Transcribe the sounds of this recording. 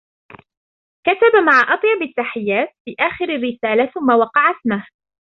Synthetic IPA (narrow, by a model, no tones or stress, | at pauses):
kat̪abamaʕaʔɑt̪ˤjɑbɪt̪ːaħɪjːaːt̪̚fiːʔaːxɪɾarːɪsaːlaθʊmːawɑqɑʕat̪mah